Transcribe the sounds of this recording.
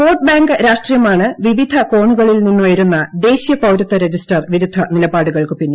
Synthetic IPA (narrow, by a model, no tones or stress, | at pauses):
foːʈ̚baːŋɡɨɾaːʂʈrijɐmaːɳɨʋiʋid̪ʱɐko̞ːɳuɣɐɭilninːuʋɐjɐɾunːɐd̪e̞ːɕijɐpɐwɾɐt̪ːɐɾe̞d͡ʑisʈɐrʋiðid̪ʱːɐnilɐbaːɽuɣɐɭkɨpinːe